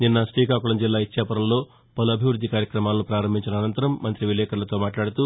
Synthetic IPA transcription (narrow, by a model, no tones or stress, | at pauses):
ninːɐsʈiːkaːkuɭɐmd͡ʒilːaːit͡ʃːjaːpɐɾɐmlo̞ː | pɐluɐbʱiʋɾud̪ʱːikaːɾjɐkɾɐmaːlɐnupɾaːɾɐmbʱiɲt͡ʃinɐːnɐnt̪ɐɾɐmmːɐnt̪ɾiʋilɛːkɐlɐt̪o̞ːmaːʈlaːɽut̪u